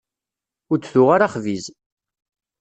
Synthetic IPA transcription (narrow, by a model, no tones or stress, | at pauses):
ʊɾt͡sːθʊʁaɾaχviz